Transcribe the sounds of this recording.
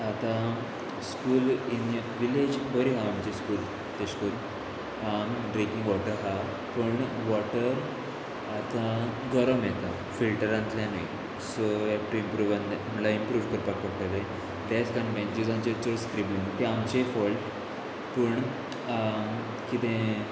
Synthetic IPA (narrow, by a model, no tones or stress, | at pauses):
at̪ã | skuːlin | ʋiled͡ʑbəɾiɦaːmt͡ɕeskuːl | t̪eskuːl | amɖɾikiŋɡʋɔʈəɾɦa | pəɳʋɔʈəɾ | at̪ã | ɡəɾəmjet̪a | filʈəɾãnt̪ljanaj | soɛk̚ʈuimpɾuːʋãnd̪eamlaimpɾuːʋkəɾpak̚pakt̪at̪ẽ | t̪at͡skanʋẽnd͡ʑud͡zãnt͡ɕet͡soskɾibint̪ẽamt͡ɕefɔlʈ | pəɳ | kit̪ẽ